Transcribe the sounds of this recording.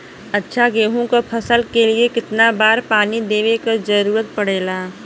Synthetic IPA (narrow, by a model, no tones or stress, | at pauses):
ɐtːʃʰaɡeːɦõkapʰɐsəlkeliekɪt̪nabaːɾpaːnid̪eːʋekad͡ʒɐɾuːɾət̪̚pɐɽ̤eːlaː